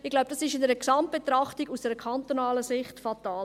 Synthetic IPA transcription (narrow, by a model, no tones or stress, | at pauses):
ɪɡ̥laʊb̥̚d̥ɑsɪʃɪndɛɾəksɑmt̚b̥et̪ɾɑχtɪɡusd̥ɛɾəkʰant̪onaːləsɪχtfataː